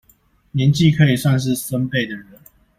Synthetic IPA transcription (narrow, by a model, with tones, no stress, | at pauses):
njɛ˨˦nt͡ɕi˥˨kʰə˧˦i˨˩swa˥˧nʂ̬ɻ̩˥˨sə˦npe˥˩ɪd̪ə˨ɻə˨˦n